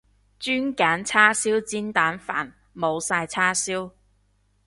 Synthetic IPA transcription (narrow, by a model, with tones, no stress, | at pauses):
t͡ʃyː˥nkaː˨˥nt͡sʰaː˥siː˥wt͡siː˥nt̪aː˨˥nfa̰ː˨˩n | mo˨˧wsaː˧jt͡sʰaː˥siː˥w